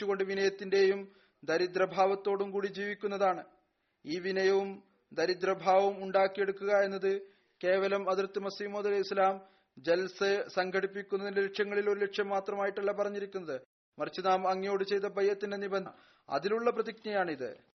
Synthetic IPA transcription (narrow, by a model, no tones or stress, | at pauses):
uɣo̞ɳɖɨʋinɐjɐt̪ːinde̞jum | d̪ɐɾid̪ɾɐbʱaːʋɐt̪ːo̞ːɽumkuːɽid͡ʑiːʋikʲːunːɐðaːɳɨ | iːʋinɐjɐʋum | d̪ɐɾid̪ɾɐbʱaːʋumuɳɖaːkːije̞ɽukːuɣɐe̞nːɐðɨ | ke̞ːʋɐlɐmɐd̪ɾɐt̪ːɨmɐsiːmoːd̪ðɐlɐislaːm | d͡ʑelsɨsɐŋɡʰʱɐɽipːikʲːunːɐðindeleʈʂjɐŋːɐɭilo̞ɾule̞ʈʂjɐmːaːt̪rɐmaːjiʈːɐɭːɐpɐrɐɲːiɾikʲːunːɐðɨ | mɐrt͡ɕːɨnaːmɐŋːijo̞ːɽɨt͡ɕe̞jt̪ːɐbʱɐjːɐt̪ːinde̞niben | ɐ̰ðiluɭːɐprɐðiknɐjaːɳiðɨ̰